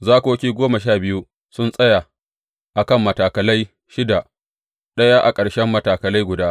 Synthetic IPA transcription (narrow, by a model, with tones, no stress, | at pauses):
zaː˦koː˦kʲiː˦ɡʷoː˦mɐ˨ʃaː˦˨bɪ˦ju˦ | sʊ˦nsʼɐ˦ja˨ | ʔa˨kɐ˦˨mːɐ˨taː˨kɐ˨lɐ˦j | ʃɪ˦da˨ | ɗɐ˦ja˦ʔa˨kʼɐ˨ɽʃɛ˦mːɐ˦taː˨kɐ˨la˦jɡʷʊ˨daː˦